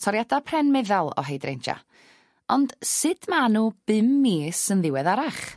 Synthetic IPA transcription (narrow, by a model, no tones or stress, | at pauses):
tʰɔɾjadapʰrɛnmɛðalˠɔ̰ɦejdrḛjnd͡ʒa̰ | ɔnd̥sɨd̥manub̥ɪmːiːsənðɪwɛðaɾaχ